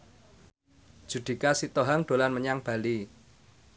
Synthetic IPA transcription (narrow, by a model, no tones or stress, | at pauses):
d̥ʒ̥ṳd̪̥i̤kasit̪oɦaŋɖ̪̥o̤lanməɲaŋb̥a̤li